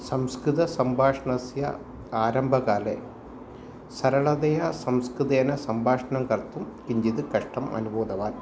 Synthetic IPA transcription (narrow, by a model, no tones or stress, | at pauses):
sɐmskɾɨðɐsɐmbʱaːʂɐɳɐsjɐ̰ | aːɾɐmbʱɐɣaːle | sɐɾɐɭɐd̪ɐjɐsɐmskɾɨðɐjɐnɐsɐmbʱaːʂɐnɐmkɐrt̪ːumkiɲd͡ʑiðɨkɐʂʈɐmɐ̰nuboːd̪ɐʋaːn